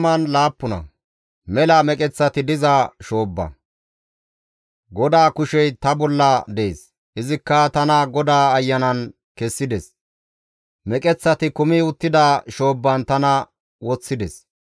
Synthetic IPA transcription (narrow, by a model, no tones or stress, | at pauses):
mɐnlaːpːʊnɐ̰ | mɛlɐmɛkʼɛt͡sːɐt̪ɪd̪ɪzɐʃo̞ːbːɐ̰ | ɡɔd̪aːkʊʃɛjt̪ɐbɔlːɐd̪eḛːs | ʔɪzɪkːɐt̪ɐnɐɡɔd̪aːɐjːɐnɐn | kɛsːɪd̪ɛs | mɛkʼɛt͡sːɐt̪ɪkʊmɪʊt̪ːɪd̪aːʃo̞ːbːɐnt̪ɐnɐ | wɔt͡sːɪd̪ɛs